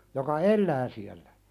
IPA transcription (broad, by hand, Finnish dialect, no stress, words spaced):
jokɑ elːæː siælːæ